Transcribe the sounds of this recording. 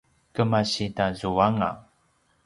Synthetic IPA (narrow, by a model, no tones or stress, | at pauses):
kəmaɕitazuaŋa̰